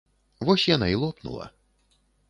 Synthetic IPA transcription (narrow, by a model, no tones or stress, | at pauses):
vɔsʲjanailˠɔpnṵlˠɐ̰